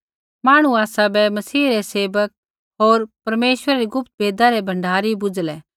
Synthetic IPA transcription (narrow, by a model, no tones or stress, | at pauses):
maːɽ̃uaːsabɛmɐsiːɾɛseːʋək̚ | ɦoːɾpɐɾmeːʃʋəɾaɾiɡʊp̚t̪̚beːd̪aɾɛbʱɐ̃ɳɖʱaːɾibʊd͡zlɛː